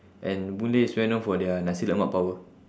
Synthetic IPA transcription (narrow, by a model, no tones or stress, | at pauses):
ʔɛ̃nbuleswɛ̃nɔ̃fɔdɛənãsiləmaʔpawə